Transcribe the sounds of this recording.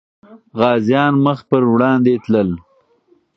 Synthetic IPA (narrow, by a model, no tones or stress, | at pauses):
ɣɑːzjɑːnməxpəɾwɽɑːnd̪et̪ləl